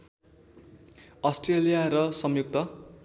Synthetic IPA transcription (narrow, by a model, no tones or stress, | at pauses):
ʌsʈrelijaɾʌsʌmjuk̚t̪ʌ